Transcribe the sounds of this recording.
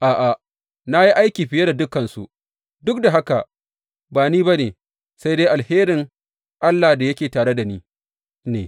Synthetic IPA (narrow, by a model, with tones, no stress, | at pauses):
ʔaː˨ʔa˨ | na˦ji˦ʔa˦jkʲiː˨ɸɪ˨je˦da˨dʊ˦kɐ˨nsṵ˨ʔ | dʊ˦k̚da˨ɦa˦ka˨ | baː˨niː˦ba˦neː˨ | sa˦jde˦jʔa˨lheː˦ɾɪ˨ŋ | ʔa˦lːa˨da˨jɐ˦kʲeː˨taː˨ɽe˦da˨niː˦ | neː˨